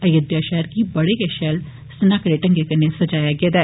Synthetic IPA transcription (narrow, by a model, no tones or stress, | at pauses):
əjəd̪jaːʃɛːɾkiːbəɽeːkɛːʃɛːl | sənaːkəɾeːʈəŋɡeːkəneːsəd͡ʒaːjaːɡɪeːd̪ɛː